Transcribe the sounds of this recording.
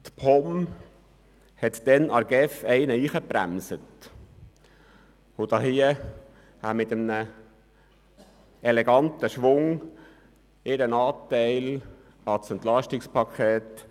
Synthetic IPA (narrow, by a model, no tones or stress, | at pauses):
t̪pʰɔm | hɛt̪d̥̪ɛnɑɾɡ̥ɛfɛɪnəiːχəpɾæ̰msət | ʊd̥̪ɑːɦiə | hæmɪt̪əmnə | ɛlɛɡɑnt̪əʃʋʊŋ | ɪɾənɑːt̪ɛɪl | ɑsɛnt̪lɑʃtɪkspʰɑkʰχɛːt̪